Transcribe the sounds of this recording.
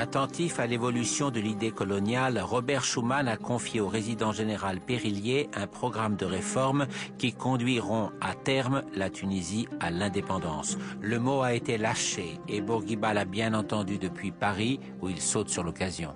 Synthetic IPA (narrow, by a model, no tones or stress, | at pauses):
at̪ɑ̃t̪ifalevɔlysjɔ̃d̪əlid̪ekɔlɔnjalʁɔbɛʁʃumanakɔ̃fjeoʁezid̪ɑ̃ʒeneʁalpeʁiljeɛ̃pχɔɡʁamd̪əʁefɔʁmkʲikɔ̃d̪ɥiʁɔ̃at̪ɛʁmlat̪ʰynizialɛ̃d̪epɑ̃d̪ɑ̰̃sləmoaet̪elaʃeːbuʁɡʲibalabjɛ̃nɑ̃t̪ɑ̃d̪yd̪əpɥipaʁi | uilsot̪syʁlɔkazjɔ̰̃